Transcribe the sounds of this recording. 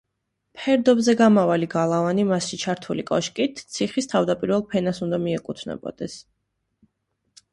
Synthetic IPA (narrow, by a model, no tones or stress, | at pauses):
pʰɛɾd̪ɔbzɛɡamavaliɡalˠavanimasʃit͡ʃʰaɾt̪ʰulikʼɔʃkʼit̪ʰt̪sʰiχist̪ʰavd̪apʼiɾvɛlˠpʰɛnasund̪amiɛkʼut̪ʰnɛ̰bɔ̰d̪̥ɛs